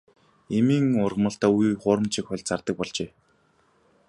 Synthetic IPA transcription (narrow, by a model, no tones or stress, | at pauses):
emiːŋʊrʁə̆mə̆ɬt̪aːujχʊːɾə̆mt͡ɕʰikχʊɮʲt͡sʰart̪ə̆k̚pɔɮt͡ɕeː